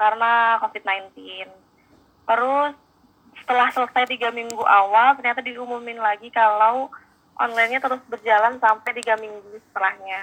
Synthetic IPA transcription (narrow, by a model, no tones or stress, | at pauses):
kaɾənakofit̪̚najnt̪ɪn | t̪əɾʊs | sə̥t̪əlahsələsajt̪iɡamiŋɡuʔawalt̪ərɲat̪adiumumɪnlaɡikalaw | ʔɔ̰nlajnɲat̪əɾʊsbərd͡ʒalansampajt̪iɡamiŋɡusə̥t̪əlahɲa